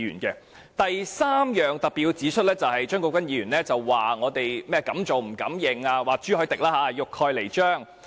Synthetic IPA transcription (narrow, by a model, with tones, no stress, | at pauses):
jy̰ː˨˩nkɛ˧ | t̪ɐ˨jsaː˥mjœː˨ŋt̪ɐ˨k̚piː˨˧wt͡siː˨˥t͡ʃʰɵ˥t̚lɛː˥t͡sɐ˨whɐ˨jt͡ʃœː˥ŋkɔː˧kʷwɐ˥njiː˨˧jyː˨˩nlɛː˦˥t͡sɐ˨wːaː˨˩ŋɔː˨˧t̪e˨jmɛː˥kɐ˨˥mt͡ʃo˨wm̩˨˩kɐ̰˨˥mjɪ˧ŋaː˧waː˨t͡ʃyː˥hɔ˨˧˥jt̪ɪ˨k̚laː˥ɦaː˨˧jʊ˨kʰːɔː˧jle˨˩jt͡ʃœː˥˩ŋ